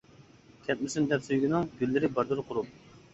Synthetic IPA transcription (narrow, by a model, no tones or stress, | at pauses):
kʲʰɛt̪̚mɪsynd̪ɛpsyjɡʲinɪŋɡʲylːɪɾɪbɑɾd̪ɨɾqʰʊɾup̚